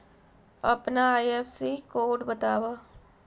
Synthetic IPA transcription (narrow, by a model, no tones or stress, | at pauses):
ɐpnaaːjeːfsikoːʈbɐt̪aːʋa